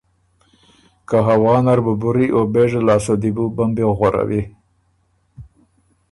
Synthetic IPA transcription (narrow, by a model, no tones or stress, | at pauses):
kaɦawɑːnaɾbəbʊɾiʔobeʐalɑːsod̪ibubambeɣwaɾa̰wi